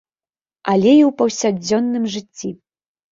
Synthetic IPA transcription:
alʲɛiwpɐwsʲad͡zʲːɔnːɨmʐɨt͡sʲːi

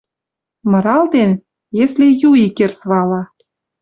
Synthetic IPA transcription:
mɤ̆ɾɑld̪en | jeslejuikersβɑlɑ

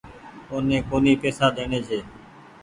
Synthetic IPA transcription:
koːnẽːkoːniːpeːsaːd̪eːneːd͡ʒʰeː

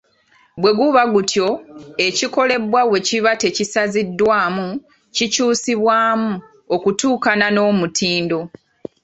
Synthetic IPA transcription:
bwe̞ɡuβaɡutʰjo̞e̞ciko̞le̞bwawe̞ciβate̞cisazidːwaːmu | cicuːsiβwaːmu | okutuːkanano̞ːmutʰiːndo̞

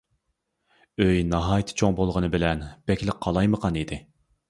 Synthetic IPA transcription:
øjnɑɦɑːjt̪ʰɪ̥t͡ʃʰoŋbolˠʁənɨbɪlɛnb̥ɛkʲlɪkqʰːɑlˠɑjməqʰɑnid̪ɪ

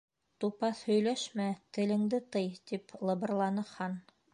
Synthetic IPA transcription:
t̪upɑθhɵ̆jlæʃmæt̪ɘ̆lɘ̆ŋd̪ɘt̪ɤjt̪iplˠɤ̆bɤ̆rlˠɑnɤ̆qhɑn

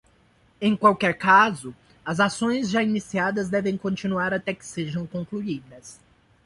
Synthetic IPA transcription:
ẽj̃kwawkɛɾkazʊ | ɐzasõj̃zʒainisiad̪ɐzd̪ɛvẽj̃kõt͡ʃĩnuaɾat̪ɛkɪ̥seʒɐ̃w̃kõŋkluid̪ɐs

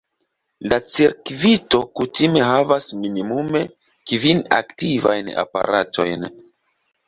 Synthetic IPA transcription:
lat͡seɾkvito̞kutime̞ɦavasminimume̞ | kvina̰ktiva̰jna̰pa̰ɾʔatʰo̞̰jn

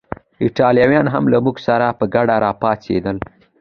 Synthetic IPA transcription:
ɪʈɑlijɑwjɑnɦamlamuɡsaɾapəɡaɖaɾɑpɑt͡sḛd̪əl

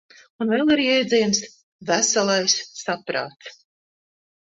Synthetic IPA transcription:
unvɛlˠiɾjɛjd̪zʲɛjms | væsalˠajsːapɾa̰ːt̪s

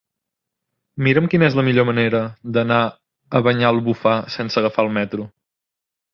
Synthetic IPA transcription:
miɾəmkinɛzləmiʎoməneɾəd̪əna | əβəɲaəlˠβufasɛnsəɣəfaəlˠmɛt̪ɾu

